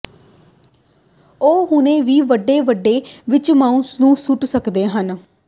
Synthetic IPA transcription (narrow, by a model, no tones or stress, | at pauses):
oːɦʊnẽːʋiːʋəɖːeːʋəɖːeːʋɪt͡ʃmãːũsnũːsʊʈsəkd̪eːɦən